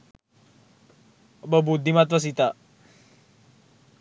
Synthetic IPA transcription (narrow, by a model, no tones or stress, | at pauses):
bəbud̪ʱːimat̪ʋəs̬it̪a